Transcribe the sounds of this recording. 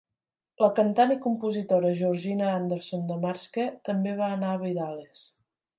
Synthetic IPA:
ləkənt̪anikumpuzit̪oɾəʒuɾʒinəand̪əɾsond̪əmaɾsket̪əmbeβ̞aənaəβiðales

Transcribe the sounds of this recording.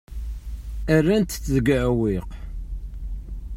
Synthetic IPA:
ærːænt̪t͡sːðɡʕwiq

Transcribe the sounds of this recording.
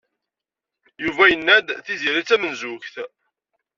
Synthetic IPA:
juvæjənːæd̪θiziɾit͡sːæmənzuçθ

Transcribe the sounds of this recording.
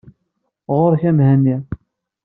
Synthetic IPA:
ʁoɾçæmhænːi

